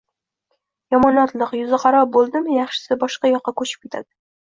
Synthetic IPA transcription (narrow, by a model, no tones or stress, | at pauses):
jɒmɒnɒt̪lˠɨqjʊzɪqʰɑɾɒp̚bolˠd̪ɪmɪjɑχʃɪ̥sɪbɒʃqɑjɒqːɑkʰɵt͡ʃʰɪ̥p̚kʲe̞t̪ʰad̪̥ɪ